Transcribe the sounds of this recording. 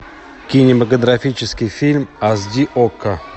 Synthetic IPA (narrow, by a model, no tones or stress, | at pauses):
kʲinʲɪməkəd̪ɾɐfʲit͡ɕɪskʲɪjfʲilʲmɐzd̪ʲiʔokːə